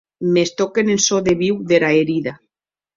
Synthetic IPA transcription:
mest̪okenensoðeβiwðeɾaeɾiða

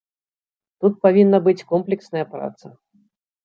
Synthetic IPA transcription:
t̪ut̪̚pavʲinːɐbɨt͡sʲkɔmplʲɛksnɐjɐpɾa̰t̪sɐ

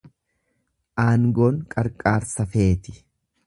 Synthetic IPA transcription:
ʔaːŋɡoːŋkʼɐɾkʼaːɾsɐfe̞ːt̪ɪ̥

